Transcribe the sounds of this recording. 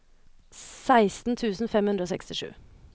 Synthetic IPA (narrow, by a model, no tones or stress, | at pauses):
sæɪst̪n̩t̪ʰʉːsn̩fɛmhʉnd̪ɾoːsɛkst̪ɪʂʉ̰ː